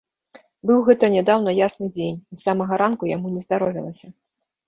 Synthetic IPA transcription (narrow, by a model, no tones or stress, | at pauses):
bɨwɣɛt̪ɐnʲɛd̪awnɐjasnɨd͡zʲenʲisamɐɣɐɾankujamunʲɛzd̪aɾɔvʲilˠɐsʲɐ